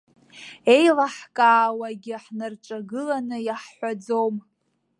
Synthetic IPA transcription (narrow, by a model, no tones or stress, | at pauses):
e̞jlaħkʼaːwaɡʲɪħnarʈ͡ʂʼaɡɨlanɨjaħːʷad͡zowm